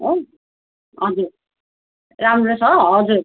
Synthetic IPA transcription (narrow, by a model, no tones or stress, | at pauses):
o | ʌd͡zuɾ | ɾamɾosʌʌd͡zuɾ